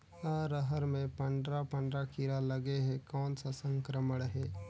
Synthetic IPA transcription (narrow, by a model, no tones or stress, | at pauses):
aːɾəɦəɾmẽpə̃ɳɖɾapə̃ɳɖɾakɪɾaləɡeɦɛkɔːnsasə̃ŋkɾəməɽɦɛː